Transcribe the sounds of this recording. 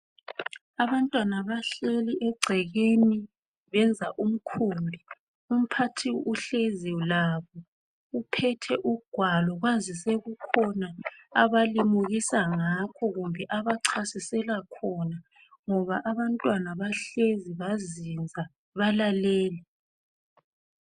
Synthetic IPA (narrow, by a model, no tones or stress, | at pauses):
aβantʼwanaβaɬeliʔɛɡ͡ǀʱɛɣeni | βɛnd͡zʱaʔum̩kʰuːmbʱi | um̩pʰatʰiuɬezilaβɔ | upʰɛtʰɛʔuɡ̥ʱwalɔɣwazisɛɣukʰɔnaaβalimuɣisaŋakʰɔɣumbʱɛʔaβaǀʰasisɛlakʰɔna | ŋɔβaʔaβantʼwanaβaɬeziβazind͡zʱa | βalalɛːlɛ